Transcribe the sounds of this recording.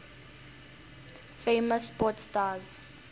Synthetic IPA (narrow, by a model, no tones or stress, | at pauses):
feməsːpɔtstaːz